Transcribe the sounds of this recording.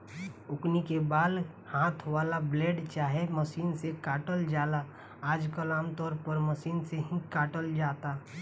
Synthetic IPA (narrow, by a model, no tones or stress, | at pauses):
ʊknikebaːd̪ | haːt̪ʰʋaːlableːɖt͡ʃaːɦeməʃiːnsekaːʈəld͡ʒaːla | aːd͡ʒkəlaːmt̪ɔːɾpəɾməʃiːnseɦĩkaːʈəld͡ʒaːt̪aː